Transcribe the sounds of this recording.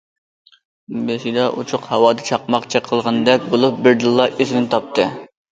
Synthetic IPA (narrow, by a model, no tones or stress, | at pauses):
beʃid̪ɑʔṵt͡ʃʰʊqhɑwɑːd̪ɑt͡ʃʰɑqmɑqt͡ʃʰɛqʰəlˠʁɑnd̪ɛp̚ʲbolˠup̚bɪɾd̪ɨlˠːɑʔezmɪnt̪ʰɑp̚t̪ʰɨ